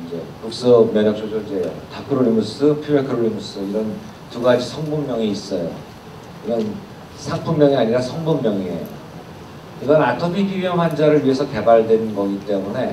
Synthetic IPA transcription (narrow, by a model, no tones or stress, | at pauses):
ind͡ʑe̞puk̚s͈ʌmjʌɲʌk̚s͈ʰod͡ʑʰoid͡ʑejo̰takʰɯɾoɾimus͈ʰɯpʰuekʰɯɾoɭːimus͈ʰɯiɾʌn | tuɡad͡ʑisʰʌŋbumːjʌŋiis͈ʌjo̰ | iɾʌn | sʰaŋpʰummjʌŋiaɲiɾasʰʌŋbumːjʌŋiḛjo̰ | kɯɡʌnatʰʌpʰiɡiɥiʌmɦand͡ʑaɾɯɭɥie̞sʰʌke̞baɭdwe̞nnɡʌɡit͈e̞mune̞